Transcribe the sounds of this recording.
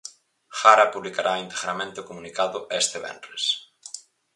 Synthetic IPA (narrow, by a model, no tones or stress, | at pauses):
xaɾapuβlikaɾʔaint̪eɣɾamẽnt̪eʊkomũnikaðʊʔest̪eβɛ̰nres